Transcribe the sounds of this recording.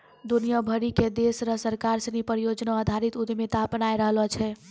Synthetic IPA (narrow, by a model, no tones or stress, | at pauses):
d̪unijabʱəɾiked̪esɾəsəɾkaɾsənipəɾijod͡ʒnaːd̪ʱaɾit̪ud̪met̪apənajɾəɦlɔt͡ʃʰɛ